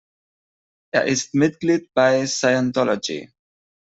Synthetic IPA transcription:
ɛ̰ɐʔɪstmɪt̪̚ɡlid̚baɪsaɪãntɔlɔ̰d͡ʒḭ

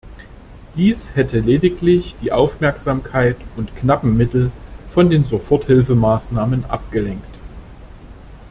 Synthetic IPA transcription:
d̥iːshɛtəleːdɪklɪçd̥iːʔaʊfmɛɐkz̥aːmkʰaɪtʊntknapm̩ːɪtl̩fɔndeːnzofɔɐthɪlfəmaːsnaːmənʔa̰p̚ɡ̥əlɛŋkt

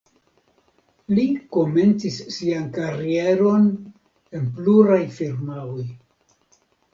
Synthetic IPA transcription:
liko̞me̞nt͡sisːiankaɾie̞ɾo̞n | e̞npluɾajfiɾmawoj

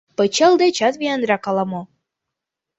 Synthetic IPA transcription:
pət͡ɕəlˠd̪et͡ɕɑt̪βijɑnd̪ɾɑkɑlɑmo

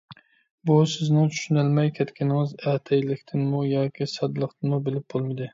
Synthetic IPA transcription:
busɪznɪŋt͡ʃʰy̥ʃynælmɛjkʲʰɛt̪kʲɪnɪŋɪzɛːt̪ʰɛjlɪkʲt̪ʰɪnmujɑːkʲʰisɑd̪lˠəqt̪ʰɨnmubɪlɪp̚bolˠmɪd̪ɪ

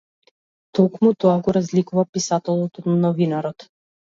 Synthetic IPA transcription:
t̪ɔkmut̪ɔaɡɔɾazlikuvapisat̪ɛlˠɔt̪ɔnnɔvinaɾɔt̪

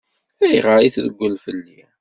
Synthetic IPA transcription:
æjʁəɾiθðəɡʷːəlfəlːi

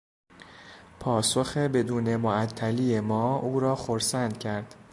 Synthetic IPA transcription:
pʰɒːsoxebe̞d̪uːne̞moæt̪ʰːælijemɒːuːɾɒːxoɾsænd̪̥̚cʰæɾd̪̥

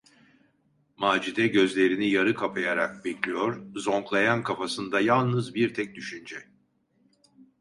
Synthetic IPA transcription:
maːd͡ʒid̪ɛɟø̞zlʲe̞ɾinijaɾɯkʰapʰajaɾak̚bɛclʲijo̞ɾzo̞ŋklˠajankʰafasɯnd̪ajalˠnɯzbiɾt̪ʰɛc̚d̪yʃynd͡ʒɛ

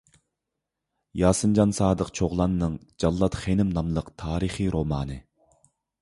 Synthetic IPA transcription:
jɑːsɨmd͡ʒɑnsɑːd̪əqt͡ʃʰoʁlˠɑnːɨŋd͡ʒɑlˠːɑt̪χenɪmnɑmlˠəqt̪ʰɑːɾɨχiɾomɑːnɨ

